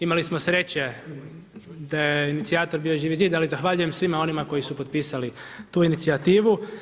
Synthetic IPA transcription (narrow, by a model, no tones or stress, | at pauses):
imalismo̞sɾe̞t͡ɕe̞ | d̪ajeinit̪siaːt̪o̞ɾbiːoʒiʋizid̪alizaxʋaʎuje̞msʋimao̞nimako̞jisupo̞t̪̚piːsali | t̪uːinit̪siat̪iːʋu